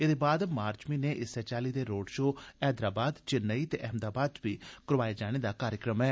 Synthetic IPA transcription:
ed̪eːbaːd̪maːɾt͡ʃmiːneːʔɪsɛːt͡ʃaːliːd̪eːɾoːɖʃoːɛːd̪ɾaːbaːd̪t͡ʃɪnːəiːt̪eːʔɛɦmd̪aːbaːd̪ʋiːkəɾʋaːjad͡ʒaːɽ̃eːd̪aːkaːɾjəkɾəmɛː

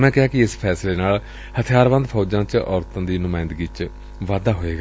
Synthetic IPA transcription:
mɛ̃ːkɪɦaːkɪɪspʰɛːsleːnaːl | hət̪ʰɪjaːɾʋə̃nd̪pʰɔːd͡ʒãːt͡ʃɔːɾt̪ãːd̪iːnʊmaːɪ̃nd̪ɡit͡ʃ | ʋaːd̪aːɦoːeːɡaː

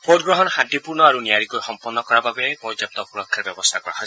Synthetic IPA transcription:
podɡɹɔɦɔnxadipuɹnɔaɹunijaɹikojxɔmpɔnːɔkɔɹababɛpɔdap̚t̪ɔpuɹɔkʰːaɹbjɔbɔst̪ʰakɔɹa̰ɦɔjs

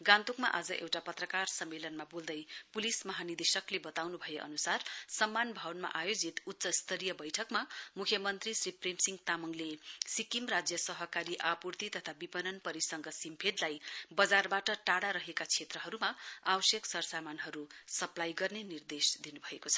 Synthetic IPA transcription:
ɡãnt̪ukmaʔad͡zʌʔḛwʈapʌt̪rʌkarsʌmːelʌnmabold̪ʌjpulismʌɦanid̪esʌklebʌt̪awnubʱʌjeʔʌ̰nusarsʌmːanbʱawʌnma̰ʔajod͡zit̪utːsʌst̪ʰʌɾijʌbʌjʈʰʌkmamukʰjʌmʌnt̪risɾiprimsiŋɡt̪amʌŋlesikimrad͡zjʌsʌɦʌkaɾiʔapurt̪it̪ʌt̪ʰabipʌnʌnpʌɾisʌŋɡʌsimpʰed̪lajbʌd͡zarbaʈʌʈaɽaɾʌɦekat͡sʰet̪rʌɦʌɾumaabʌsjʌksʌrsamanɦʌɾusʌplajɡʌrnenird̪esd̪inubʱʌekot͡sʰʌ̥

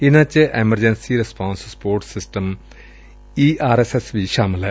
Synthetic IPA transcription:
inɐt͡ɕːɨʔemɐrd͡ʑɐnsiɾespaːnsspoːrʈsisʈɐm | iʔaːɾesesʋiʃaːmɐlɐ

